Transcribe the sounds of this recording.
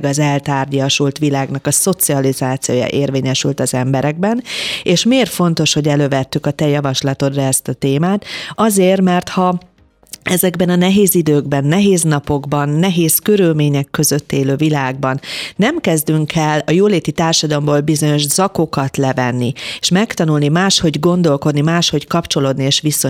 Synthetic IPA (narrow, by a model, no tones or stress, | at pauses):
ɡɒzɛlt̪aːrɟɒʃult̪ʋilaːɡnɒkɒso̞t̪siɒlizaːt̪sijoːjɒ̰ʔeːrveːɲɛʃylt̪ɒzɛmbɛɾɛɡ̚bɛneːʃmeːrfo̞nt̪o̞ʃho̞ɟɛløːvɛt̪ːykɒt̪ɛjɒvɒʃlɒt̪o̞d̪rɛɛst̪ɒt̪eːmaːt̪ɒzeːrmɛrt̪hɒ | ɛzɛɡbɛnɒnɛɦeːzid̪øːɡbɛnːɛɦeːznɒpo̞ɡbɒnːɛɦeːskø̞ɾylmeːɲɛkːø̞zø̞t̪ːeːløːvilaːɡbɒnːɛmkɛzd̪yŋkʰɛlːɒjoːleːt̪it̪aːrʃɒd̪ɒlomboːlbizo̞ɲo̞ʒzɒko̞kɒt̪lɛvɛnːieʃmɛkt̪ɒnulnimaːʃho̞ɟɡo̞nd̪o̞lko̞d̪nimaːʃho̞ckɒpt͡ʃo̞loːd̪nieːʃʋiso